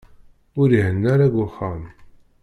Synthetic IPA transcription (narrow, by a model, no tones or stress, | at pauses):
ʊɾihənːæɾæɡʷʊχam